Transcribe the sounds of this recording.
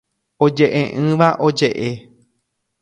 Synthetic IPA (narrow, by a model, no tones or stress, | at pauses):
o̞d͡ʒe̞ʔẽʔɨ̃ʋaʔo̞d͡ʒe̞ʔe